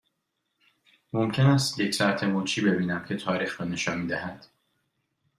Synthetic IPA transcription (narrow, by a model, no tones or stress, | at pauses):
mo̞mcʰe̞næst̪jecsæɾt̪ʰemoːt͡ʃʰiːbe̞biːnæmcʰe̞t̪ʰɒːɾiːxɾɒːne̞ʃɒːnmiːd̪æhæd̪̥